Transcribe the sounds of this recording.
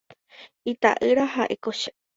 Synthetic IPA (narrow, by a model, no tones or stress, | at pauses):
it̪a̰ʔɨɾahaʔekoʃa